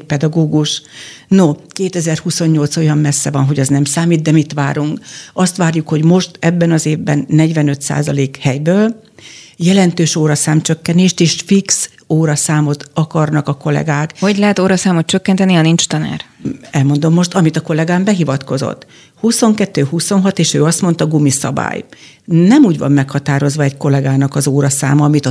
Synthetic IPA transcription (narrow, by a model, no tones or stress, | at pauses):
pɛd̪ɒɡoːɡuʃnokeːt̪ɛzɛrhuso̞ɲːo̞lt̪so̞jɒmmɛsːɛvɒnɦo̞ɟɒznɛmsaːmiːd̪̚d̪ɛmit̪ʋa̰ːɾuŋkɒst̪ʋaːrjukho̞ɟmo̞ʃt̪ɛbːɛnɒzeːvbɛnːɛɟʋɛnø̞t̪sa̰ːzɒleːkhɛjbøːl | jɛlɛnt̪øːʃoːɾɒsaːmt͡ʃø̞kːɛneːʃt̪eːʃfiks | oːɾɒsaːmo̞t̪ɒkɒrnɒkɒko̞lɛ̰ɡaːkhoɟlɛɦɛt̪oːɾɒsaːmot̪t͡ʃøkːɛnt̪ɛniɒnint͡ʃt̪ɒna̰ːrɛlmo̞nd̪o̞mːo̞ʃt̪ɒmit̪ɒko̞lɛɡaːmbɛɦivɒt̪ko̞zo̰t̪ː | huso̞ŋkɛt̪ːøːhuso̞nɦɒt̪eːʃøːɒst̪mo̞nt̪ɒɡumisɒ̰ba̰ːj | nɛmuːɟvɒ̰mːɛkhɒt̪aːɾo̞zʋɒɛcko̞lɛɡaːnɒkɒzoːɾɒsa̰ːmɒɒmit̪ɒ